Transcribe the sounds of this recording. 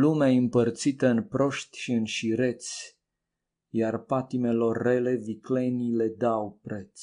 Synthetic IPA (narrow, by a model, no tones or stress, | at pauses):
lumeaɨmpərt̪sit̪əɨnpɾo̞ʃt̪ʲʃiɨnʃiɾe̞t̪sʲ | jarpat̪ime̞lo̞rːe̞le̞vikle̞nile̞d̪awpɾet̪s